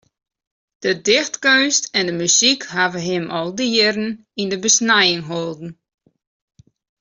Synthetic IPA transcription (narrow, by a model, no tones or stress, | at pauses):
d̥ədɪxtkøɥstɛndəmysikɦavəɦɪmʔɔlˠdiəɾn̩ | indəbəsnajɪŋɦolˠdn̩